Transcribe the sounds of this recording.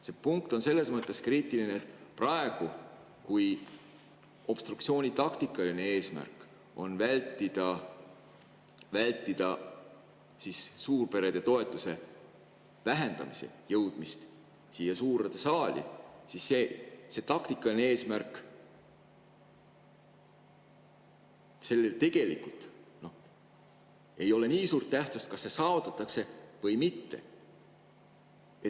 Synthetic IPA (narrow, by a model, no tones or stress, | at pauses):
se̞puŋkt̪o̞nse̞lːe̞smɤt̪ːˑe̞skriːt̪ːˑilineːt̪ːˑprɑe̞ɡ̥u | kuj | o̞b̥st̪ɾuksio̞ːnʲit̪ɑkt̪ikːˑɑline̞e̞ːsmæ̰rkːˑ | o̞nvælʲt̪ːˑid̪̥ɑ | vælʲt̪ˑːid̪̥ɑ | sisːuːrpe̞ɾed̪e̞t̪o̞e̞t̪ːˑuse̞ | væɦe̞nd̪̥ɑ̰misḛjɤwd̪̥mist̪ | siːjɑsuːɾed̪̥esɑːlʲḭsisːe̞ːse̞t̪ɑkt̪ikˑːɑnee̞ːsmærkˑ | se̞lːelt̪e̞ɡ̥e̞lḭkːult̪no̞h | e̞jo̞le̞niːsuːrt̪̚t̪ːæht̪sust̪̚kɑsːesɑːvut̪ːˑɑt̪ːˑɑkse̞vɤjmit̪ːe̞̰ | e